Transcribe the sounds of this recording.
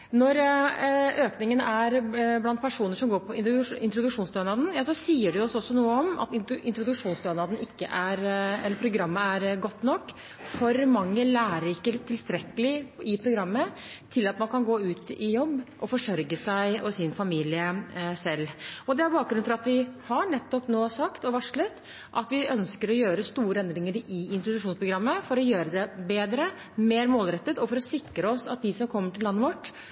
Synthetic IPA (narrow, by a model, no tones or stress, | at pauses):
nɔɾ | øːknɪŋənæɾblɑnt̪̚pʰæʂuːnəʂɔmɡoːɾpʰɔɪɪnt̪ɾʊd̪ʉkʂuːnst̪øːnɑd̪n̩jɑːsɔsiːəɖɛjʊɔsːɔɔsːɔnuːəɔmɑ̰t̪ɪɪnt̪ɾʊd̪ʉkʂuːnst̪øːnɑd̪n̩ɪkːə̰ʔæɾɛlːəɾpʰɾʊɡɾɑmːəæɾɡɔt̪ːnɔkː | fɔɾmɑŋːəlæːɾəɾɪkːət̪ʰːɪlst̪ɾɛkːəlɪɪpʰɾʊɡɾɑmːə | t̪ʰɪlɑt̪mɑnkʰɑnɡoːʉːt̪ɪjɔbːʔɔfɔʂœɾɡəsæɪɔsɪnfɑmiːlɪəsɛlːɔd̪ɛæɾbɑːkɡɾʉnfɑɾɑt̪ʋɪhɑɳɛt̪ːɔpnoːsɑkt̪ɔʋɑʂɭət̪ | ʔɑt̪ʋɪʔœnskəɾɔjøːɾəst̪uːɾəɛnd̪ɾɪŋəɾɪɪnt̪ɾʊd̪ʉʂuːnspʰɾʊɡɾɑmːəfɔɾɔjøːɾəd̪ɛbeːd̪ɾə | meːɾmoːlɾɛt̪ːət̪ɔfɔɾɔsɪkɾəɔsɑt̪̚d̪ɪsɔmkʰɔmːəʈɪlːɑnːəʋɔʈː